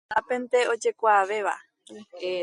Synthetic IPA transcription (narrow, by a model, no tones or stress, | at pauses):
apẽnt̪eo̞d͡ʒe̞kʷaːʋe̞ʋa̰